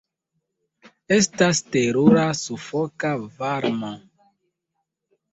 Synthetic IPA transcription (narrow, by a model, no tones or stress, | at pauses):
estasteɾuɾasufɔkavaɾma